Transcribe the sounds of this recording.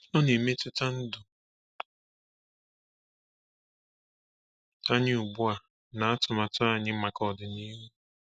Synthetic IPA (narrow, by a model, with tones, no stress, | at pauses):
ɔ˦ne˨me˦tɪ˦ta˦n̩˦dʊ˨ | ta˦ɲɪ˦u˨ɡ͡bu˦a˨ | na˨a˦tʊ˨ma˨tʊ˦a˨ɲɪ˦ma˨kɔ˨dɪ˨ni˦ɦu˦